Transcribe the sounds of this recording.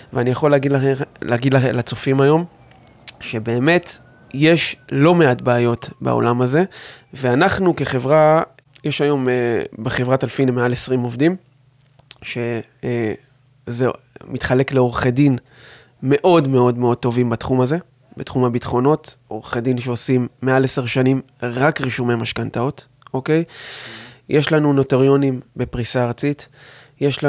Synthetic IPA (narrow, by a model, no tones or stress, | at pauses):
veanijaχo̞leaɡidlaeleːɡidlalat͡sofimajo̞m | ʃe̞be̞ːme̞t | jeʃlo̞me̞atbaajo̞tba̰o̰lamaze̞veanaχnuke̞χe̞vʁa | jeʃajo̞mebeχevʁatalfinemealesʁimo̞vdim | ʃe̞ | ze | mit̪χale̞kleo̞ʁχedin | me̞ʔo̞dme̞o̞dmeo̞d̚t̪o̞vimbatχumaze̞ | bḛt̪χumhabitχo̞no̞to̰ʁχedinʃeosimːe̞aleseʁʃanim | ʁakʁiʃumemaʃkantao̞t | o̞ke̞j | jʔeʃlanuno̞teʁjo̞nimbe̞pʁisaːʁt͡sit | jeʃa